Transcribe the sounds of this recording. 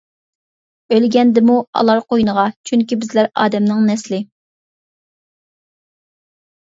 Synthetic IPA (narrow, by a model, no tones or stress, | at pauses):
ølɡʲɛnd̪ɪmuɑ̰lˠɑɾqʰojnəʁɑt͡ʃʰyŋkʲibɪzlæɾɑ̰ːd̪ɛmnɪŋnɛslɪ